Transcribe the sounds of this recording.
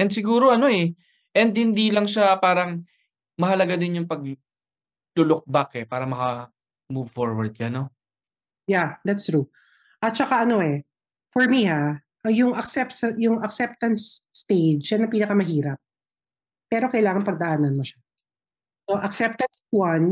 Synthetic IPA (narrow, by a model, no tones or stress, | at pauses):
ʔɛnd̪sɪɡuːɾo̞ʔɐno̞ɛ | ʔɛnd̪̚hɪnd̪ilɐŋʃapaːɾɐŋ | mɐhɐlɐɡad̪ɪnjʊŋpɐɡ̚ | lʊlok̚bakɛpaːɾɐmɐkɐ | muvfoɹwɐɹd̪̚ɡɐno | jad̪at̪st̪ɾu | ʔɐt̪̚t͡ʃɐkaʔɐno̞ʔɛ | fɔɹmihaʔɐjʊŋʔɐksɛp̚sɐjʊŋɐksɛp̚t̪ɐnsːt̪ejd͡ʒʃanːɐpiːnɐkɐmɐɦiːɾɐp̚ː | ɛːɾo̞kɐjlaːŋɐnpɐɡ̚d̪ɐʔaːnɐnmoʃḁ | soʔɐksɛp̚t̪ɐnswɐn